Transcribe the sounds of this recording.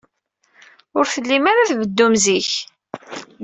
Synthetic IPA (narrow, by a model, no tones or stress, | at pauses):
ʊɾθəlːimaɾaθvəd̪ːumziç